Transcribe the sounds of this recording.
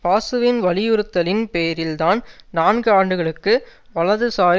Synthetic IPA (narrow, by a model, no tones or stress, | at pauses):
paːsɯʋɪnʋɐlɪjɯɾɯt̪ːɐlɪnpejɐɾɪlt̪aːn | naːnɡɯaːɳɖɯɣɐɭɯkːɯ | ʋɐɭɐðɯsaːɾ